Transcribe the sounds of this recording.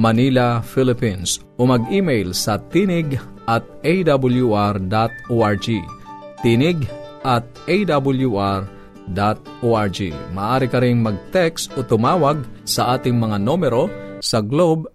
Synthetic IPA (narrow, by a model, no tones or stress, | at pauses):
mɐniːlɐfilɪpins | ʔomɐɡiːmɛjlsɐt̪inɪɡ | ʔɐt̪̚ʔejd̪abʊljuʔaɹd̪at̪̚oʔaɹd͡ʒit̪inɪɡʔɐt̪̚ejd̪abʊljuʔaɹ | d̪at̪̚ʔoaɹd͡ʒḭmɐːʔaːɾɪkɐɾɪŋmɐɡ̚t̪ɛkst̪ʔot̪ʊmaːwɐɡ̚sɐʔaːt̪ɪŋmɐŋanoːmɛɾo̞sɐɡlob̚